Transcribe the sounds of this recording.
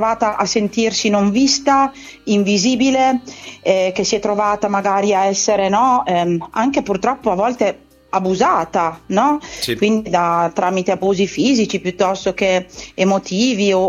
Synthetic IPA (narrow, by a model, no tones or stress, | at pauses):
vaːt̪aʔasent̪irsinoɱvist̪a | iɱviziːbileɛk̟esiɛt̪ːɾovaːt̪amaɡaːɾiaɛsːeɾenɔɛaŋk̟epurt̪ɾɔpːoavɔlt̪e | abuzaːt̪anɔkwind̪id̪at̪ɾaːmit̪eabuːzifiːzit͡ʃipjut̪ːɔst̪ok̟eemot̪ʰiːvio